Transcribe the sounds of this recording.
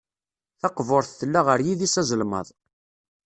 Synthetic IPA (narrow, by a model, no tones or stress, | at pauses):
θɑqvʊɾˤθθəlːaʁəɾjiðisæzəlmə̰ðˤ